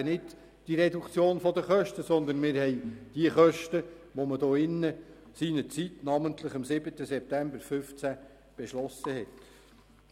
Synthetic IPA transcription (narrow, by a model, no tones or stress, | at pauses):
ənɪd | d̥iɾɛdukt͡sjoːnfɔd̪əχœʃtəsɔnd̪ənmɪːɾhɛjd̥iəχœʃtəʋɔməd̥ɔːɪnːə | sinət͡sit̪nɑːmənt̪ləχɑmsɪbətəsɛp̚tæmbəɾfʏft͡sæ | b̥ɛʃlɔsəhɛt